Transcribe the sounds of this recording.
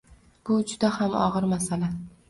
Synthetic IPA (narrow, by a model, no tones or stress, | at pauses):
b̥ʊd͡ʒʊd̪ahamɒ̰ʁɨɾmasala